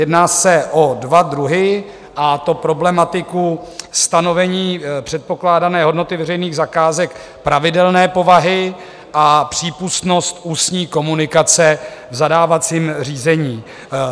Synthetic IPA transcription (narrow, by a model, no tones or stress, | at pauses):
jɛdnaːsɛʔodvadɾuɦɪ | ʔat̪o̞pɾo̞blɛmat̪ɪkust̪ano̞vɛɲiːpr̝̥ɛt̪̚po̞klaːdanɛːɦo̞dno̞t̪ɪvɛrɛjniːɣzakaːzɛk | pɾavɪdɛlnɛːpo̞vaɦɪ | ʔapr̝̥iːpust̪no̞st̪ʔuːsɲiːko̞munɪkat͡sɛvzadaːvat͡siːmr̝iːzɛɲiː